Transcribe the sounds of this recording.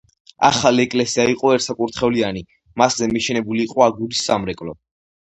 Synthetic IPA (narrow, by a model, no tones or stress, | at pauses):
a̰χaliɛkʼlɛsiaiqʼɔɛɾt̪sakʼuɾt̪ʰχɛliani | maszɛmiʃɛnɛbuliːqʼɔaɡuɾisːamɾɛkʼlɔ̰